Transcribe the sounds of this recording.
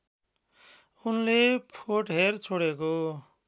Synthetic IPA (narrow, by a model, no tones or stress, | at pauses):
unlepʰoʈɦert͡sʰoɽeko